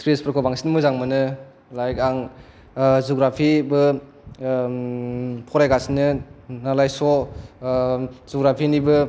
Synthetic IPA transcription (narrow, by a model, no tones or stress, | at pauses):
spɾispʰɾɔkʰɔbaŋsinmuzaŋmanɯ | lajkaŋ | d͡ʒɔɡɾapʰibɯ | pʰɔɾajɡasinɯnalajsɔ | zɔɡɾapʰinibɯ